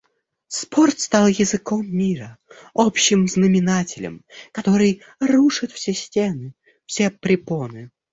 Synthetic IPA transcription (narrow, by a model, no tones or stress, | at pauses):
spʰort̪st̪ɑlˠjɪzɨkomːʲiɾəopɕːɪmznəmʲɪnatʲɪlʲə̰mkɐt̪o̞ɾɨj | ruʂɨt̪fsʲesʲtʲenɨ | fsʲepɾʲɪponɨ